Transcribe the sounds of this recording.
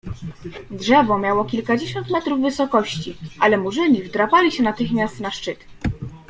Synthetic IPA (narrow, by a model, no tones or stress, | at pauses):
dʐɛvɔmʲjawɔkʲilkad͡ʑeɕɔnt̪mɛt̪ɾuvːɘsɔkɔɕt͡ɕiʔalɛmuʐɘɲʲivd̪ɾapalʲiɕɛnat̪ɘxmʲjast̪naʂt͡ʂɘt̪